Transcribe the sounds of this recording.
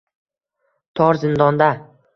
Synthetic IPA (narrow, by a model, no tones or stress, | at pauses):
t̪ʰɒɾzɪnd̪ɒnd̪a